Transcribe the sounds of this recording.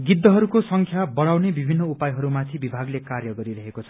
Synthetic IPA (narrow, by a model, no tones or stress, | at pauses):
ɡid̪ːʌɦʌɾukosʌŋkʰjabʌɽawnebibʱinːʌupajɦʌɾumat̪ʰĩbibʱaɡlekarjʌɡʌɾiɾʌɦekot͡sʰʌ̥